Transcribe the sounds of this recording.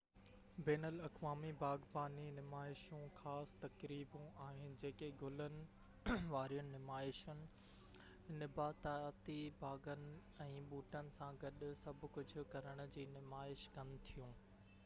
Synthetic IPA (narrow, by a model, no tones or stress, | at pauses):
bɛːnəlɐkʋaːmibʱaːɡpaːninɪmaːɪʃũxaːst̪ɐkɾiːbũaːɦɪnɪ̆d͡ʑeːkeɡʱʊlənɪ̆ | ʋaːɾijənɪ̆nɪmaːɪʃənɪ̆ | nɪbʱaːt̪aːt̪ibʱaːɡənɪ̆ | ɛ̃ːɓuːʈənɪ̆sãɡɐɗʊsɐbʱʊ̆kʊd͡ʑʱʊ̆kɐɾəɽ̃ʊ̆d͡ʑiːnɪmaːɪʃkɐnɪ̆t̪ʰijũː